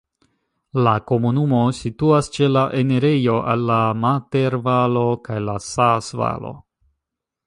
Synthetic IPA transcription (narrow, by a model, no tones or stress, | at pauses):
lako̞munumo̞situast͡ʃe̞laʔene̞ɾe̞jo̞ʔalːamate̞ɾvalo̞kajlasasva̰lo̞̰